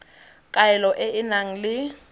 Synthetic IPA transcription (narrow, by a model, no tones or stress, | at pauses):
kʼaɛlɔʔɛʔɪnaŋ̩lɪ